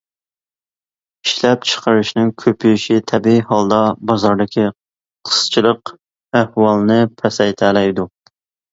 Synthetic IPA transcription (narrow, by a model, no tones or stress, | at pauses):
iʃlɛp̚t͡ʃʰə̥qəɾɨʃnɪŋkʲʰøpʰyjiʃit̪ʰɛbiihɑlˠd̪ɑbɑzɑɾd̪ɪkʲʰi | qʰə̥st͡ʃʰilˠəq | æhwɑlˠnɨpʰɛsɛjt̪ʰælɛjd̪u